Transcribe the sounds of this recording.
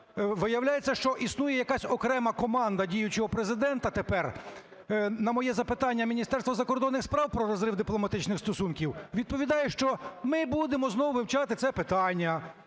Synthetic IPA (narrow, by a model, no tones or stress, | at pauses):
ʋɪjɐwlʲajet͡sʲːɐʃt͡ʃɔʔisnujɛjɐkɑsʲɔkɾɛmɐkɔmɑnd̪ɐdʲijʊt͡ʃɔɦɔpɾezɪd̪ɛnt̪ɐt̪epɛr | nɐmɔjɛzɐpɪt̪ɑnʲːɐmʲinʲist̪ɛrst̪ʋɔzɐkɔrd̪ɔnːɪxspɾɑwpɾɔɾɔzɾɪwd̪ɪplˠɔmɐt̪ɪt͡ʃnɪxst̪ɔsunkʲiwʋʲid̪̚pɔʋʲid̪ɑjɛʃt͡ʃɔmɪbud̪emɔznɔwʋɪwt͡ʃɑt̪ɪt̪sɛpɪt̪ɑnʲːɐ